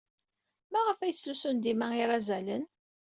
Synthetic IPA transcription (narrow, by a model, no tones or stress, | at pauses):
mæʁəfæjət͡sːusʊnd̪imæiɾˤæzælən